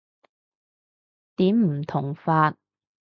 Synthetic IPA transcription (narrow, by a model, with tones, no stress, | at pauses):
t̪iː˨˥mm̩˨˩t̪ʰʊ˨˩ŋfaː˧t̚